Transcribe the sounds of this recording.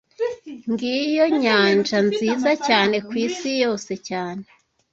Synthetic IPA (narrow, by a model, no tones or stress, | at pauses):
ŋɡijoɲaːnd͡ʒanziːzacaːne̞kwiːsijo̞ːse̞caːne